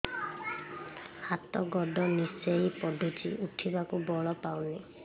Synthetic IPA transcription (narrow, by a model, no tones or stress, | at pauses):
hat̪ɔɡɔɖɔnisejpɔdʱutʰḭʔuʈʰibakubɔɭɔpawni